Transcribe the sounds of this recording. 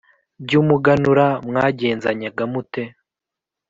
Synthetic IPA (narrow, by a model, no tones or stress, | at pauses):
bɟuːmuɡanuɾamŋaːɟe̞ːnzaɲaɡamute̞